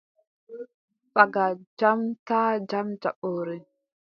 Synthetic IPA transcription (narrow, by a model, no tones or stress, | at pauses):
faɡad͡ʒamtad͡ʒamd͡ʒaɓoːɾi